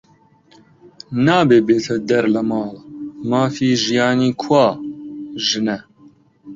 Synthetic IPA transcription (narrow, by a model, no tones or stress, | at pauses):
naːbeːbeːt̪ʰɐd̪ɛɾlɐmɑːlmaːfiːʒijɑːniːkʰwaː | ʒɨnɛ